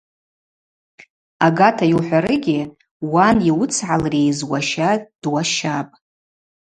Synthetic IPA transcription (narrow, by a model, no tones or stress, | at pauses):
aɡatʰajiwħʷᶣaɾɨɡʲɪ | waniwʊt͡sʰʕalrejzwaʃad̥waʃapʼ